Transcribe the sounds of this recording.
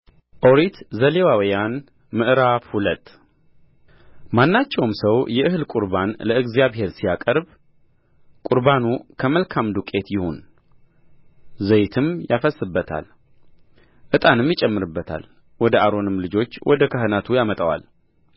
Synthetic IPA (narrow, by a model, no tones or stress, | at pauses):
ʔoɾit̪zəlewawijan | mɨʔɨɾafhulət̪ʼː | manːat͡ʃːɛwmsəwjɛʔɨɦɨlkʼuɾbanləɨɡzijaβhe̞ɾsijakʼəɾb | kʼuɾbanukʰəməlkʰamd̪ukʼe̞t̪jɪho̞n | zəjt̪ʰɨmjafəsːɨbːət̪ʰa̰l | ʔɨt̪ʼanɨmjɪt͡ʃʼɛmːɨɾɨbːət̪ʰa̰l | wɔd̪əʔaɾo̞nɨmlɨd͡ʒo̞t͡ʃːwɔd̪əkʰəɦɨnat̪ʰujamət̪ʼəwa̰l